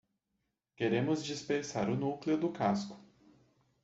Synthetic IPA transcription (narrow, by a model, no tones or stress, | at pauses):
keɾẽmʊzd͡ʒispeɾsaɾʊnuklɪʊd̪ʊkaskʊ̥